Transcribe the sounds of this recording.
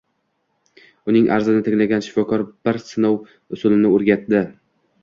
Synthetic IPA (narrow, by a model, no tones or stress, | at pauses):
ʊnɪŋʔa̰ɾzɪnɪt̪ʰɪŋlaɡʲanʃɪ̥fɒkʰɒɾb̥ɪɾsɪnow | ʊsʊlɪnɪoɾɡʲat̪d̪ɪ